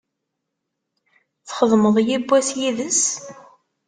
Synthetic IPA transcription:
θχəðˤməðˤjibʷːæsjiðəs

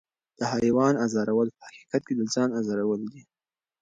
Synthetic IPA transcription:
d̪̥əhajwɑnazɑɾawəlpə̥haqi̥qat̪̚ked̪əzɑnazɑɾawəld̪i

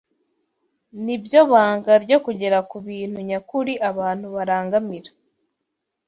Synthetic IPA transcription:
nibjo̞βaːŋɡaɾɟo̞kuɟe̞ɾakuβiːn̥huɲakuɾiʔaβaːn̥huβaɾaːŋɡamiɾḁ

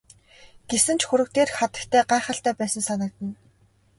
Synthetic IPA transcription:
ɡ̥esɘ̆nt͡ɕxuɾɘ̆k̚t̪eːrχat̪ə̆kt̪ʰæːɢaːχə̆ɬt̪æːpæːsə̆nsanə̆k̚t̪ə̆n

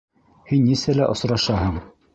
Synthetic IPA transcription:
hinːisælæ̰ʔŏsɾɑʃɑhɤɴ

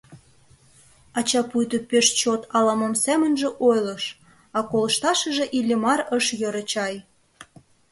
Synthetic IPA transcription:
ɑt͡ɕɑpujt̪opeʃt͡ɕot̪ʰɑlɑməmsæmə̆nʒĕʔojlɤʃ | ɑkolə̆ʃt̪ɑʃəʒĕʔilʲːemɑɾəʃjøɾə̆t͡ɕɑj

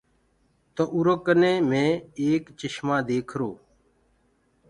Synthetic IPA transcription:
t̪oʔuɾoːkənẽːmẽːeːkt͡ʃɪʃmãːd̪eːkʰɾoː

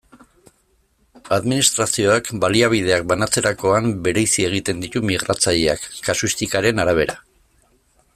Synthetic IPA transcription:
aðminist̪ɾasio̞akbaliaβ̞ið̞e̞ak̚banat͡se̞ɾako̞ambe̞ɾe̞jsie̞ɣ̞it̪e̞nd̪it̪umiɣ̞ɾat͡saʎeakːasuist̪ikaɾe̞naɾaβ̞e̞ɾa

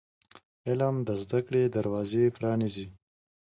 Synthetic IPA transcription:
elamd̪əzd̪akɽed̪aɾwɑzepɾɑnizi

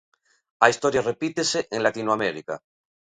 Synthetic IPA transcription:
aist̪oɾjarepit̪eseʔeŋlat̪inwameɾika̰

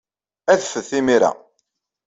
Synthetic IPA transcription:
æðfəðθimiɾæ̰

